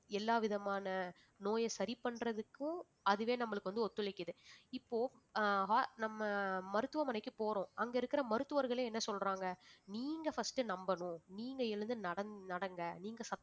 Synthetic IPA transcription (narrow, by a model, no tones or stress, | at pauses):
ɛlːaːʋɪðɐmaːnɐ | noːjɐsɐɾɪpɐɳɾɐðɯkːʊ̃ | ɐðɯʋeːnɐmːɐɭɯkːɯʋɐnd̪ɯɔt̪ːɯlɐɪkːɯðɯɪpːoːɦaːnɐmːɐmɐɾɯt̪ːɯʋɐmɐnɐɪkːɯpoːɾõːʔɐŋɡɐɪɾɯkːɪɾɐmɐɾɯt̪ːɯʋɐɾɣɐɭeːɛnːɐsɔlɾaːŋɡɐniːŋɡɐfɐsʈɯnɐmbɐnʊ̃niːŋɡɐɪɻɯnd̪ɯnɐɽɐnnɐɽɐŋɡɐniːŋɡɐsɐ